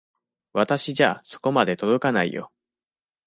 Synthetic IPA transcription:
βat̪aɕiʑaːso̞̥ko̞mad̪e̞t̪o̞d̪o̞kanaḭjo̞̰

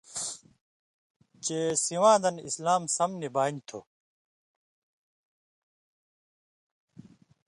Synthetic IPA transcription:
t͡ɕesiwãːd̪ɐnḭslaːmsɐmnibaːint̪ʰo̰ː

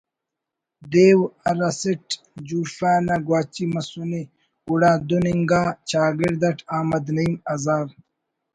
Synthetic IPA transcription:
d̪eːwɐɾɐsiʈ | d͡ʑuːʂaːnɐɡwaːt͡ɕimɐsuni | uɽaːd̪uniŋɡaːt͡ɕaːɡiɾd̪ɐʈʰaːmɐd̪nɐimɐzaːɾ

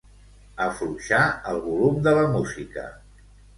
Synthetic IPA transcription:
əfɾuʃaəlˠβulumd̪ələmuzikə̰

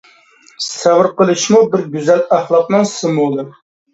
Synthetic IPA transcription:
sæwɨɾqəlˠɨʃmubɪɾɡʲyzælæχlˠɑq̚nɨŋsɨmullˠɨ

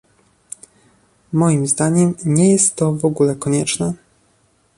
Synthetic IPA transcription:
mɔjimzd̪aɲɛmɲɛjɛst̪ːɔvɔɡulɛkɔɲɛt͡ʂnɛ

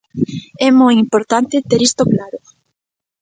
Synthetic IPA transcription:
ɛmojimpoɾt̪ant̪ɪt̪eɾist̪oklaɾʊ

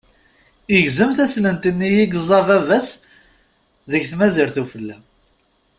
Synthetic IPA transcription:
iʝzəmθæslənt̪ənːijiɡzˤɑvævæs | ðəçθmæziɾθufəlːæm

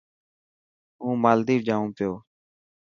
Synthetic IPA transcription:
ɦũːmaːld̪iːd͡ʒãːũːpɪjoː

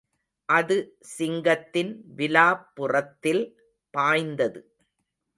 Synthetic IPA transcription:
ʔɐðɯ | sɪŋɡɐt̪ːɪnʋɪlaːpːʊrɐt̪ːɪl | paːjnd̪ɐðɯ

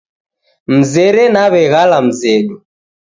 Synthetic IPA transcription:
m̩zɛɾɛnaβɛɣalam̩zɛɗu

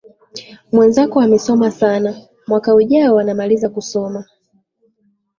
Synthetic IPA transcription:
mwɛnzakɔamɛsɔmasana | mwakauʄaɔwanamalizakusɔma

